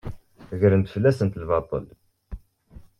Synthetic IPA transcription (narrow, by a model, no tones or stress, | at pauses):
ʝɾənt̪ə̥fəlːæsənt̪lvɑt̪ˤə̰l